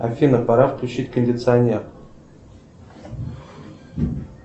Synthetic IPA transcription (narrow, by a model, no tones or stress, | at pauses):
a̰fʲinəpɑɾafkʲlʲut͡ɕːitʲkənʲdʲɪt̪sɨanʲer